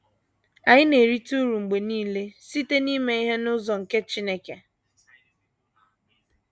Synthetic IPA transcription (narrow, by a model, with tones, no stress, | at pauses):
a˨ɲɪ˦ne˨ɾi˦tu˦ɾu˨ŋ͡m̩˨ɡ͡be˨niː˦le˦si˦te˦ni˦me˦i˦ɦe˦nʊ˦zɔ˨ŋ̩˨ke˦t͡ʃi˦ne˦ke˨